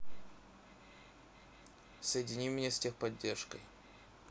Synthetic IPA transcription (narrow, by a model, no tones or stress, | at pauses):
səjɪdʲɪnʲimʲnʲestʲexpɐdʲːerʂkəj